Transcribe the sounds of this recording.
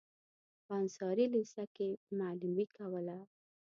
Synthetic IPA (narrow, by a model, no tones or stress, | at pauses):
pəansɑɾilisakemalumikawəla